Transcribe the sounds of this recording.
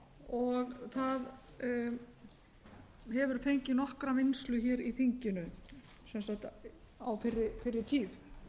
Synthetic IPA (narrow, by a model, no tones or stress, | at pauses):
ɔɣθað | hɛvʏɾ̥fejɲcɪnɔhkɾamɪnslʏçɛːɾiθiɲcɪnʏ | sɛnsakt̪ | awfɪɾːɪfɪɾːɪɾt̪ʰiːð